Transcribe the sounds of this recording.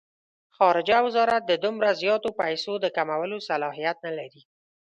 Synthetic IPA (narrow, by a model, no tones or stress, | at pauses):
xɑɾɪd͡ʒawɪzɑɾat̪̚d̪əd̪ʊmɾazjɑt̪opajsod̪əkamawəlosalɑɦijat̪̚nalaɾi